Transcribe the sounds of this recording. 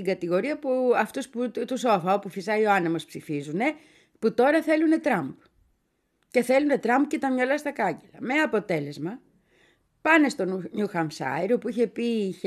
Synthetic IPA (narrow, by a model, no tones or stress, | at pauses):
iŋɡɐt̪iɣo̞ɾiɐpuɐft̪usput̪uso̞fɐopufisɐio̞ɐnemo̞spsifizune̞ | put̪o̞ɾɐθe̞lune̞t̪ɾɐmb | ce̞θe̞lune̞t̪ɾɐmb̚ce̞t̪ɐmɲɐlɐst̪ɐkɐɲɟelɐ̰meɐpo̞t̪e̞le̞zmɐ | pɐne̞st̪o̞nɲuxɐmsɐ̰iɾo̞puiçe̞piç